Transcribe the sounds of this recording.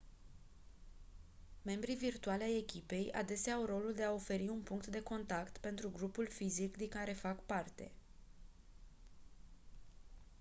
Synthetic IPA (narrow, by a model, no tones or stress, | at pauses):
me̞mbɾivirt̪ualʲaje̞kʲipe̞ja̰d̪e̞seaːawro̞luld̪e̞ao̞fe̞ɾiunpuŋkt̪d̪e̞ko̞nt̪akt̪pe̞nt̪ɾuɡɾupulfizikd̪iŋkaɾe̞fakpart̪e̞̰